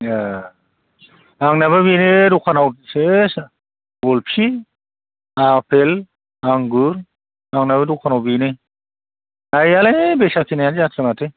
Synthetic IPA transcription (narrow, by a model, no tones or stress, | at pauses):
a | aŋnaβɯβineɾukʰanawses | ɔlpʰi | apʰel | aŋɡuɾ | aŋnaβɯɾukʰanawbine | ajalebesakʰinajanzatʰɾamatʰe